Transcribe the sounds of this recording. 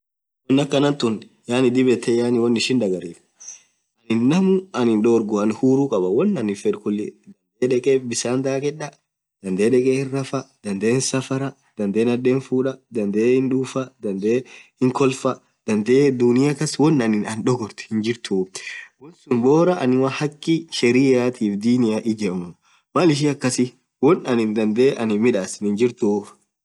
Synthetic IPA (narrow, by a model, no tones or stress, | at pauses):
wɔnːɐkːɐnɐnt̪ʊn | jaːnɪd̪ɪbɛt̪ʰːɛjaːnɪwɔnːɪʃɪnd̪ɐɡɐɾiːᶑ | ʔɐnɪnːɐmʊɐnɪnᶑoːɾɡʊɐnhuːɾuːkʼɐbɐwɔnːɐnɪfɛᶑkʊlːɪ̰d̪ɐnd̪eːᶑɛkʼeːbɪsaːnd̪aːkɛᶑːɐ | d̪̥ɐnd̪eːᶑɛkʼeːhɪrːɐfɐd̪̥ɐnd̪e̞ːnsɐfɐɾɐ | d̪̥ɐnd̪eːnɐd̪ːeːnfuːᶑɐd̪ɐnd̪eːhɪnᶑuːfɐd̪ɐnd̪eːhɪŋkɔlfɐ | d̪̥ɐnd̪eːd̪unɪjakːɐswɔnːɐnɪnɐnᶑɔɡɔɾt̪ʊ̥hɪnd͡ʒɪɾt̪ʰuːfwɔnsʊnboːɾɐʔɐnɪwɐhɐkːɪʃɛɾiːjaːt̪ʰiːfd̪iːnɪjaːʔɪd͡ʒɛmʊ | malɪʃ̬iɐkːɐsɪ | wɔnɐnɪnd̪ɐnd̪eːʔɐnɪmɪᶑaːsɪnɪnd͡ʒɪɾt̪uːf